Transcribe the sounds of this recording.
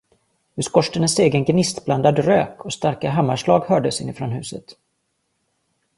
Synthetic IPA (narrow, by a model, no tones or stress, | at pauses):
ʉskɔʂʈənəseːɡənɡnɪst̪bland̪ad̪ɾø̰ːkʰɔst̪aɾkaɦamːaʂlɑːɡhœːɖəsɪnːɪfɾɔnɦʉ̟ːsət̪